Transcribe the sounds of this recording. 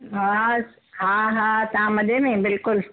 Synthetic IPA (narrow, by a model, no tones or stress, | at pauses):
ɦa | ɦaːɦaːt̪ɐʋãmɐd̪emẽbɪlkʊl